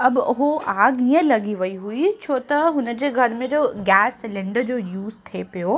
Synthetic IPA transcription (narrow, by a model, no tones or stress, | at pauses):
ɐbʊɦoaːɡiːə̃lɐɡiʋɐiɦuit͡ɕʰoːt̪ɐɦʊnə̆d͡ʑeːɡʱɐɾmẽd͡ʑoːɡɛːsɪlɪ̃ɳɖəd͡ʑoːjuːzt̪ʰepijo